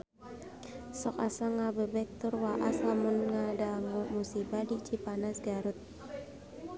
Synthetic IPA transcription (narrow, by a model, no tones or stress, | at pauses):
sɔkasaŋabəbɛk̚t̪ʊrwaʔaslamʊnŋadaŋumusibadit͡ʃipanasɡaɾʊt̪̚